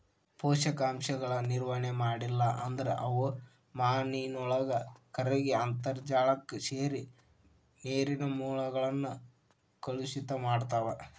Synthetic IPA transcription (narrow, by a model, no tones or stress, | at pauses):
pɔːʃɐkaːmʃɐɡɐɭɐniɾʋɐɳɛmaːɽilːɐʔɐnd̪ɐɾḛʔɐʋu | maːniːnɔɭɐɡɐkɐɾeɡeɐnt̪ɐɾd͡ʒaːɭɐkːuseːɾi | neːɾinɐmuːɭɐɡɐɭɐnːu | kɐɭusit̪ɐmaːɖt̪aːɾe